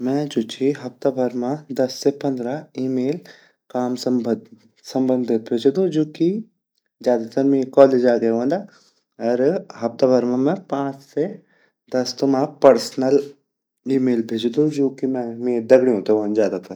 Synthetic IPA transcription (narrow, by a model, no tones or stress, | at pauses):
mɛ̃d͡ʒoːt͡ʃʰiɦɐpt̪abʱɐɾmãd̪ɐsːepɐ̃nd̪ɾaiːmeːl | kaːms | sɐ̃mbə̃nd̪ʱɪt̪̚bʱeːd͡ʒd̪õd͡ʒoːki | zjaːd̪at̪ɐɾmeːkɔːleːd͡ʒaːɡɐjõːnd̪aː | ɐɾɦɐp̚t̪abʱɐɾmãmɛ̃pãːt͡ʃse | d̪ɐst̪omãpɐɾsnəl | iːmeːlbʱeːd͡ʒd̪ũd͡ʒoːkimɛ̃meːd̪ɐɡɽiɦõːt̪eʋãnzjaːd̪at̪ɐɾ